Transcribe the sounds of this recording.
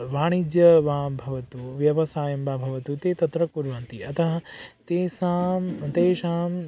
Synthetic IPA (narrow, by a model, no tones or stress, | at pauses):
ʋaːɽ̃id͡ʒjɐʋãːbʱɐʋɐt̪uʋjɐʋɐsaːjɐmbaːbʱɐʋɐt̪ut̪eːt̪ɐt̪ɾɐkuɾʋɐnt̪iɐt̪ɐɦɐ̃t̪eːsaːmt̪eːʃaːm